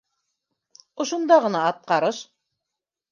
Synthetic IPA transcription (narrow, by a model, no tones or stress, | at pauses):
ŏʃŭnd̪ɑʁɤ̆nɑːt̪̚qɑɾɤʃ